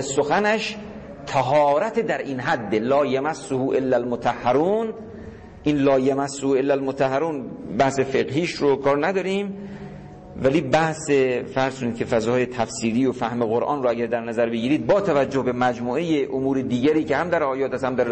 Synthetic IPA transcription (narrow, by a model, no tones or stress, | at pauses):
soxænæʃ | t̪ʰæɦɒːɾæt̪ʰed̪æɾʔiːnɦæd̪ːelɒːjæmæsːohuʔelːælmot̪ʰæhːæɾuːn | ʔiːnlɒːjæmæsːohuelːælmot̪ʰæhːæɾuːnbæhse̞feɣɦiːʃɾokʰɒːɾnæd̪ɒːɾiːm | væliːbæhsefæɾz̥kʰoniːd̪kʲʰe̞fæzɒːje̞t̪ʰæfsiːliːjofæhmeɣoɾʔɒ̰ːnɾoæɡæɾd̪æɾnæzæɾbeɡiːɾiːd̪̚bɒːt̪ʰævæd͡ʒːohbe̞mæd͡ʒmuːʔejeʔomuːɾed̪iːɡæɾiːcehæmd̪æɾʔɒːjɒːt̪ʰæshæmd̪æɾ